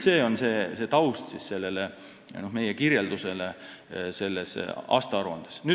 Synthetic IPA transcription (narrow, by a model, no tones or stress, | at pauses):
se̞ːo̞nse̞ːse̞t̪ɑust̪sisse̞lːe̞le | nohme̞jekirjeld̪use̞le | se̞lːesɑ̰ːst̪ɑɑɾuɑ̰nd̪̥e̥sny